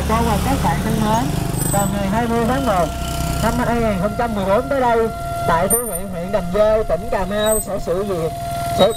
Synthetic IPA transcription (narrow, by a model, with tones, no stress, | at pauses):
ɗə˧wvaː˨˩kaː˨˦˥k̚ɓa̰ː˧˨ŋna˧nməː˨˦nvəː˨˩ŋɨ˨˩ənɦaː˧jmɨ˧əjt̪ʰaː˨˦˥k̚mo˨˩t̚na˧maː˧jŋaː˨˩nxə˧wŋ͡mt͡ɕa˧mɨ˨˩əjɓo˨˦nt̪əː˨˦jɗə˧j | t̪a̰ː˧˨jt̪ʰu˧hwḭ˧˨əhwḭ˧˨ənɗə˨˩wŋ͡mzəː˧jk̪ə̰˧˩ŋ͡mkaː˨˩maː˧wsɛ̰˧˥sɨ̰˧˨vḭ˧˨ət̚ | sɛ̰˧˥